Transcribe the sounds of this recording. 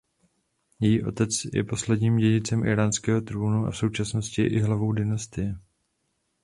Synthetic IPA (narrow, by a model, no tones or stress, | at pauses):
jɛjiːʔo̞̰t̪ɛt͡sjɛ̰po̞slɛdɲiːmɟɛɟɪt͡sɛmʔɪ̰ɾaːnskɛːɦot̪ɾuːnua̰fso̞wt͡ʃasno̞scɪj̰ʔɪɦlavo̞wdɪnast̪ɪjɛ